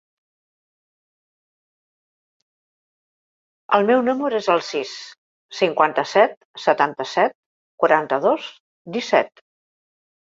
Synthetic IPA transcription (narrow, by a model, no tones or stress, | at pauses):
ə̰lˠmɛwnuməɾezəlˠsis | siŋkwant̪əsɛt̪̚ | sət̪ant̪əsɛt̪̚ | kwaɾant̪əðos | d̪isɛ̰t̪